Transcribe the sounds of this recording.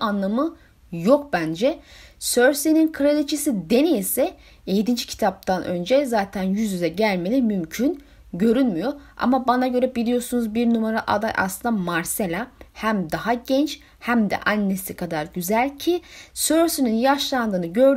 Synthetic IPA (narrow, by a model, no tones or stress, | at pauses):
anlˠamɯ | jo̞k̚bænd͡ʒɛsøɾseninkʰɯɾed̪it͡ʃʰisid̪e̞nijesɛ | ejd̪ind͡ʒicʰi̥t̪ʰap̚t̪ʰanʔø̞̰nd͡ʒɛzaːt̪ʰænjyzyzɛɟælʲme̞lʲimymcʰyn | ɟø̞ɾynmyjo̞a̰mabanaɟø̞ɾɛbilʲijo̞sunuzbiɾnumaɾaʔad̪a̰jʔa̰slˠɯnd̪amaɾselʲahæmd̪aɦaɟɛnt͡ʃ | hæmd̪ɛ̰ʔanːesikʰad̪aɾɟyzælʲcʰisøɾsininjaʃlˠand̪ɯːnɯɟø̞ɾ